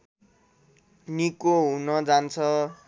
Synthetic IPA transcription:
nikoɦũnʌd͡zant͡sʰʌ

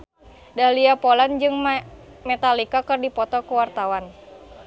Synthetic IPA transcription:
daliapoland͡ʒɨŋ | mɛt̪alikakɨrdipɔt̪ɔkuwart̪awan

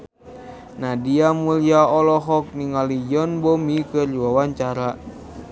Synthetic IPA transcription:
nadiamuliaɔlɔɦɔk̚niŋalijɔnbɔmikɨrd͡ʒuwawaɲt͡ʃaɾa

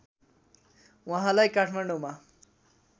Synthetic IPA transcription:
wʌɦãlajkaʈʰmaɳɖoma

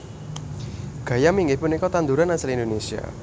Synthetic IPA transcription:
ɡ̥a̤jamiŋɡɪhpʊnikɔt̪and̪uɾanasɪlindonesia̰

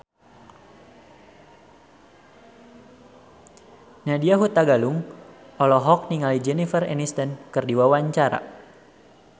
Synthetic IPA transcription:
nadiaɦut̪aɡaluŋɔlɔɦɔk̚niŋalid͡ʒɛnifərɛ̰nist̪ɛnkɨrdiwawaɲt͡ʃaɾa̰

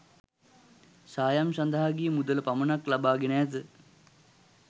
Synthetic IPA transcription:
saːjamsand̪aɦaɡijəmud̪ələpamənaklabaːɡenæːt̪̬ə

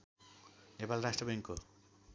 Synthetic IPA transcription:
nepalrasʈrʌbʌŋkːo

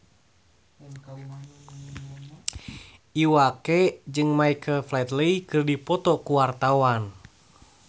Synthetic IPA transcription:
ʔiwakɛd͡ʒɨŋmaikʰəlflɛt̪leikɨrdipɔt̪ɔkuwart̪awan

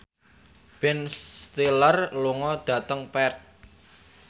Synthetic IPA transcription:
b̥ɛnst̪ilərluŋɔd̥ä̤t̪əŋpɛrt̪̚

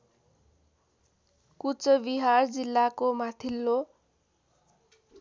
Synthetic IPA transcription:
kut͡sʌbiɦard͡zilːakomat̪ʰilːo

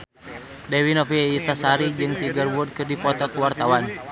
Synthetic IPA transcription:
dɛwinɔfiit̪asaɾid͡ʒɨŋt̪iɡərwurd̚kɨrdipɔt̪ɔkuwart̪awan

